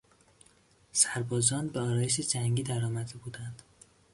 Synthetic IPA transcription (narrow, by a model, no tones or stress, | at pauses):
sæɾbɒːzɒːnbeɒːɾɒːjeʃed͡ʒæŋɡiːd̪æɾɒːmæd̪e̞buːd̪ænd̪̥